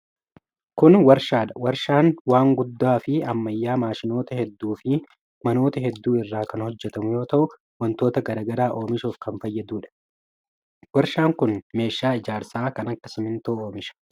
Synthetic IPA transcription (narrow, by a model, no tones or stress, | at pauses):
kʊnwɐɾʃaːᶑɐwɐɾʃaːnwaːŋɡʊd̪ːaːfɪɐmːɐjːaːmaːʃɪno̞ːt̪ɐhɛd̪ːuːfɪ | mɐno̞ːt̪ɐɦɛd̪ːuːɪrːaːkɐnhɔd͡ʒːɛt̪ɐmʊjo̞ːt̪ɐʔʊ | wɐnt̪oːt̪ɐɡɐɾɐɡɐɾaːʔo̞ːmɪʃoːfkɐnfɐjːɐd̪uːᶑɐ̥ | wɐɾʃaːŋkʊnme̞ːʃːaːɪd͡ʒaːɾsaːkɐnɐkːɐsɪmɪnt̪oːoːmɪʃɐ̥